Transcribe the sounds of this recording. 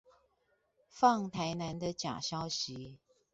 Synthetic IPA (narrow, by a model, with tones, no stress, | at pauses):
fɑ˥˨ŋt̪ʰa˧˥ɪna˧˦nd̪ə˨t͡ɕja̰˨˩ɕjɑ˥ʊɕi˨˦